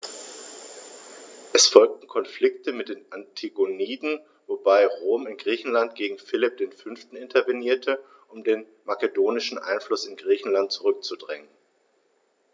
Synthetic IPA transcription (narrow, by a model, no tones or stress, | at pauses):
ʔɛsfɔlk̚tn̩kʰɔnflɪktʰəmɪt̚d̥eːnʔantʰiɡoniːdn̩ | vobaɪʁoːmɪnɡʁiːçn̩lantɡ̥eːɡŋ̩fɪlɪp̚d̥eːnfʏnftn̩ɪntʰɐvɛniːɐtʰə | ʔʊmdeːn | makədoːnɪʃn̩ʔa̰ɪnflʊsɪnɡʁiːçn̩lant̚t͡suʁʏk̚t͡sudʁɛ̰ŋən